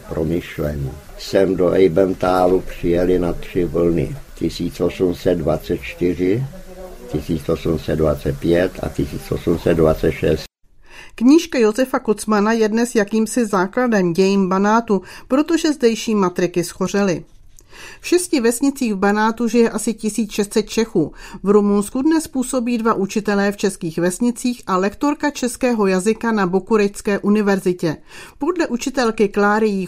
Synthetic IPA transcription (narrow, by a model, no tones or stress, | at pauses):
pɾomɪʃlɛɲiː | sɛmdoʔɛjbɛnt̪aːlupr̝̥ɪjɛlɪnat̪r̥ɪvl̩nɪ̰c̪ɪsiːt͡sʔo̞sumsɛd̪vat͡sɛt̪̚t͡ʃt̪ɪr̝ɪ | c̪ɪsiːt͡sʔo̞sumsɛd̪dvat͡sɛt̪̚pjɛt̪a̰c̪ɪsiːt͡sʔo̞sumsɛd̪vat͡sɛt̪ʃɛs | kɲiːʃkajo̞zɛfako̞t͡smanajɛdnɛsjakiːmsɪzaːkladɛmɟɛjiːmbanaːt̪upɾo̞t̪o̞ʒɛzdɛjʃiːmat̪ɾɪkɪsxo̞r̝ɪlɪ | fʃɛscɪvɛsɲɪt͡siːɣvbanaːt̪uʒɪjɛʔasɪcɪsiːt͡sʃɛst̪sɛt̪̚t͡ʃɛxuːvɾumunskudnɛspuːso̞biːdvaʔut͡ʃɪt̪ɛlɛːft͡ʃɛskiːxvɛsɲɪt͡siːxʔalɛkt̪o̞ɾkat͡ʃɛskɛːɦo̞jazɪkanabokuɾɛjskɛːʔunɪvɛɾzɪcɛpo̞dlɛʔut͡ʃɪt̪ɛlkɪklaːɾɪji